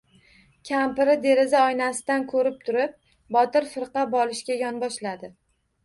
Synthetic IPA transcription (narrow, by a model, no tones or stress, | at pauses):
kʲʰampɪɾɪd̪e̞ɾɪzaɒjnasɪd̪ankʰɵɾɪp̚t̪ʰʊɾɪp̚ | bɒt̪ɪɾfɪɾqɑbɒlɪʃkʲajɒnbɒʃlad̪ɪ